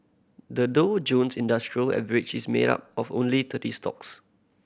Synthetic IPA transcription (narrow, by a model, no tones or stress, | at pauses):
dədod͡ʒõnsĩndastɹiəlɛ̰vəɹɪd͡ʒismḛda̰p̚ɔfõ̰nlit̪ʰətistɔ̰ks